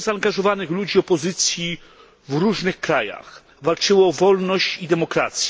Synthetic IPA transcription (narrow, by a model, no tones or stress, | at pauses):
zaːnɡaʐɔvanɘxlud͡ʑiɔpɔzɘt̪sʲji | vɾuʐnɘxkɾaja̰x | valt͡ʂɘwɔvɔlnɔɕt͡ɕid̪ɛmɔkɾat̪sʲj